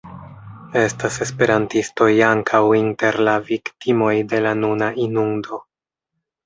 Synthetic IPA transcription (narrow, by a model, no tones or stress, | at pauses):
e̞stase̞spe̞ɾantisto̞jaŋkʰawinte̞ɾlaviktimo̞jde̞lanunaʔinundo̞